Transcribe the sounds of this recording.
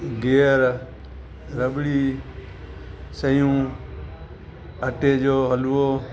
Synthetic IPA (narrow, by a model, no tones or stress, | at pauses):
ɡeːəɾ | ɾəɓɽiː | səjũː | əʈeːd͡ʒoːɦəluoː